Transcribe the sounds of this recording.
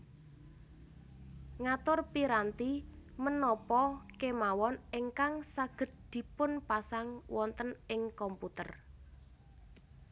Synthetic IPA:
ŋat̪ʊrpiɾant̪imənɔpɔkemawɔnɪŋkaŋsaɡ̥ə̤t̪̚d̪̥i̤pʊnpasaŋwɔnt̪ənɪŋkɔmput̪ər

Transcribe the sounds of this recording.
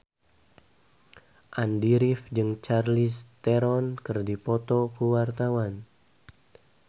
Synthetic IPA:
ʔandiɾifd͡ʒɨŋt͡ʃarlist̪eɾɔnkɨrdipɔt̪ɔkuwart̪awan

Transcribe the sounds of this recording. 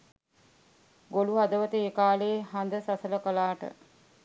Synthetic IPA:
ɡoluɦad̪əʋət̪eːkaːleːɦand̪əsasələkəlaːʈə̰

